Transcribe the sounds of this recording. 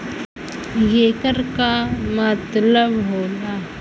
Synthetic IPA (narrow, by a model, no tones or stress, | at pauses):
jeːkəɾkamət̪ləbɦoːla